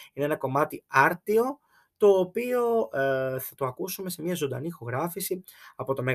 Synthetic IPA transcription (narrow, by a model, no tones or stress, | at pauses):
ineenɐko̞mɐt̪iɐɾt̪io̞ | t̪o̞ːpio̞ | θɐt̪oɐkusume̞se̞mɲɐzond̪ɐ̰nixo̞ɣɾɐfisi | ɐpo̞t̪o̞me̞ɣ